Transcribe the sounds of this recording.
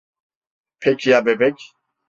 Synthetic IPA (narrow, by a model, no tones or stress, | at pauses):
pʰɛkʰijabɛbɛkʲ